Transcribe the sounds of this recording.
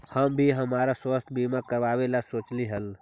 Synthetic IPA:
həmbʱiɦəmaːɾaswəst̪ʰbimakəɾʋaːwelasoːt͡ʃliɦəl

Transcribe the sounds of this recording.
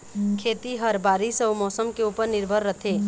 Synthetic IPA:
kʰeːt̪iɦəɾbaːɾisɔwmɔːsəmkeuːpəɾnɪɾbʱəɾːət̪ʰeː

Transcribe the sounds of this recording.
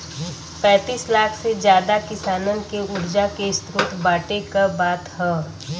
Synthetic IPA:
pɛ̃ːt̪iːslaːkʰsed͡ʒjaːd̪akɪsaːnənkeʊɾd͡ʒakest̪ɾʊt̪ʰbaːʈekəbaːt̪hɛ̃ː

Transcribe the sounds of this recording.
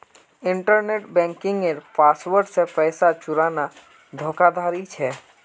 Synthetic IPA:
ɪ̃ɳʈəɾneːʈbɛ̃ːŋkɪ̃ŋɡeɾpaːswəɾɖsepɛɪsat͡ʃʊɾaːna | d̪ʱoːkad̪ʱaːɾit͡ʃʰɛː

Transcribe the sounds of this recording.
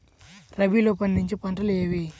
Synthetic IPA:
ɾɐbiloːpɐnd̪iɲt͡ʃipɐɳʈɐleːʋi

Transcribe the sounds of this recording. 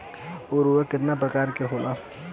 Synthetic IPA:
oːɾuekɪt̪nap̬ɾəkaːɾkeɦoːla

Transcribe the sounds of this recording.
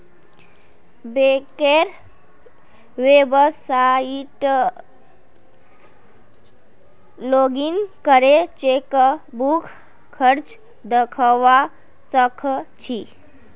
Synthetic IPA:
bekeɾ | webəsaiʈ | loɡinkəɾet͡ʃekəbukʰ | kʰəɾt͡ʃ | d̪əkʰəʋa | səkʰt͡ʃʰi

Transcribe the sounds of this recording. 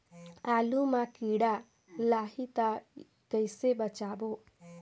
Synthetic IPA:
alumakiɽa | laɦit̪a | kəjsebɐt͡ʃabo

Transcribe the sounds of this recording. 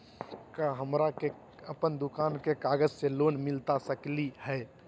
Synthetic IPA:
kaɦəmɾake | əpənd̪ʊkaːnkekaːɡəd͡ʒseloːnmɪlt̪asəklihɛː

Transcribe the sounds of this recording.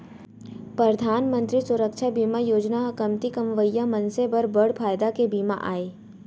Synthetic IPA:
pɾəd̪ʱaːnmə̃nt̪ɾisʊɾəkʃʰabiːmajoːd͡ʒnaɐkəmt̪ikɐmʋəjːamɐ̃nsebəɾbɐɽpʰaːjd̪akebiːma̰ʔa̰ːeː

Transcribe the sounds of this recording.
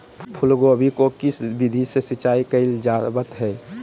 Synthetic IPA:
pʰʊlɡobʱikokisbid̪ʱisesit͡ʃaːikəɪld͡ʒabət̪ɦɛː

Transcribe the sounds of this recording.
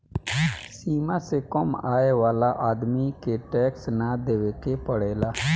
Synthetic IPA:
siːmasekəmaːeʋaːlaʔaːd̪mikeʈɛːksnad̪eːʋekepəɽeːlaː

